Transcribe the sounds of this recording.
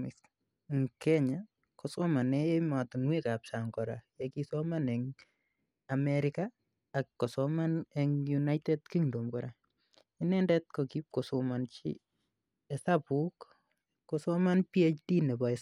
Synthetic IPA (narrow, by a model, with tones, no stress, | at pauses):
is | ŋkɛɲa˨ | kɔsɔ˦ma˨nɛ˦jɛ˦ma˨tu˨nwe˦ka˨p̚sa˨ŋkɔ˨ɾa̰˨jeki˦sɔma˦nɛ˨ŋ | a˨mɛɾɪka | a˨kːɔ˨sɔma˦nɛŋjuna˦jte˦d̚ki˦ŋdo˨mkɔɾʔa˨ | i˦nɛ˦ndɛ˦t̚kɔki˦p̚kɔ˨sɔma˨nt͡ʃḭ˦ | ɛsapu˦kː | ɔsɔ˦ma˦npiɛ˦t͡ʃti˦nɛ˨bɔ˨ɛs